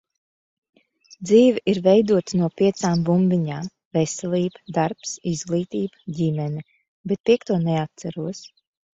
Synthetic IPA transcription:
d̪ziːviʔiɾvɛjd̪uɔt̪nuɔpʲiɛt̪saːmbumbʲiɲaːm | vɛsɛlʲˠiːbəd̪aɾpsizɡlˠiːt̪iːbɟʲimɛni | bɛt̪̚pʲiɛkt̪uɔnɛat̪̚saɾuɔs

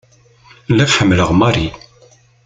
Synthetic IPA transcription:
lːæfħəmːləʁmɑɾi

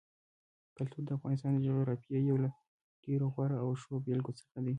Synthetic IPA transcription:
kalt̪uɾd̪əafɣɑnɪs̬t̪ɑnd̪əʒəɣeɾapjajawla | ɡ̥eɾoxwɑɾaawʃobelɡot͡sə̥xad̪i

